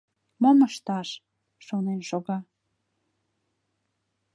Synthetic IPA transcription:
moməʃt̪ɑʃ | ʃonenʃoɣɑ

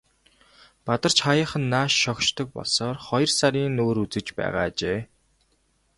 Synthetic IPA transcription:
pat̪ə̆r̥t͡ɕχajə̆χə̆nːaːʃːɔkʃt̪ʰɞ̆k̚pɔ̰ɮsɔːrχɔjɞ̆rsaɾʲiːnoːɾut͡sɘ̆t͡ɕpæ̰ːʁa̰ːt͡ɕeː

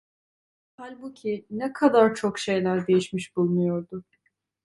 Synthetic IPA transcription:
halʲbucʰinɛkʰad̪aɾt͡ʃʰokʃe̞jlʲæɾd̪e̞jiʃmiʃbulˠmujo̞ɾd̪ʊ

